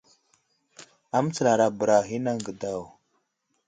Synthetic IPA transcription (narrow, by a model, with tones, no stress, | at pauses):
a˦m˦t͡sə˨la˨ɾa˨bə˨ɾa˨ɦi˦na˦ŋɡə˨da˦˨w